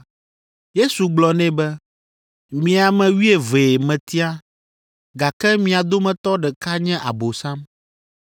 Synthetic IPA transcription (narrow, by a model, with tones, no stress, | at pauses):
je˦su˨ɡ͡blɔ˨nɛ̃˦bɛ˦ | mĩ˨a˨mɛ̃˨wi˦e˨ve˨e˨mɛ̃˨t̪i˦a˦ | ɡa˨kɛ˦mĩ˨˦a˨d̪o˦mɛ̃˨t̪ɔ˦ɖɛ˨ka˦ɲɛ̃˦ʔa˨bo˨sã˦m